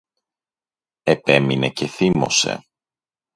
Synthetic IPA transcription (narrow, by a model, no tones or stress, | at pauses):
epe̞minece̞θimo̞̰se̞̰